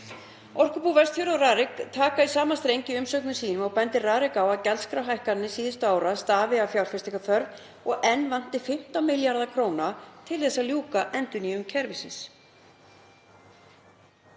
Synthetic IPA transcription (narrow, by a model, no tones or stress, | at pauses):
ɔr̥kʏpuvɛst̪θʏɾaraːɾɪkt̪ʰaːkaisaːmast̪ɾejɲcɪʏmsœknʏsiːnʏmɔɣpɛnt̪ɪraːɾɪkawaðcɛlskɾawɦajhkanːɪsiːðɪst̪ʏaːwɾast̪aːvɪawfjawɾ̥fɛst̪ɪkaθœɾv | ɔɣɛnːvan̥t̪ɪfɪm̥t̪awmɪljaɾðakʰɾoːwnat̪ʰɪlθɛsːaljuːkaʔɛnt̪ʏniːʏmcʰɛɾvɪsɪ̰ns